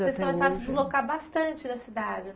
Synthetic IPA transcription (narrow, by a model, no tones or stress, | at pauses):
eskõmesaɾɐ̃sɪd͡ʒ̪ɪzlokaɾbast̪ɐ̃nt͡ʃɪnɐsid̪ad͡ʒɪ